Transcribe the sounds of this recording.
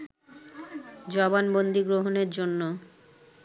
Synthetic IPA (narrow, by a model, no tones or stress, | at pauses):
d͡ʑɔbanbond̪ʱiɡɾoɦoneɾd͡ʑonːo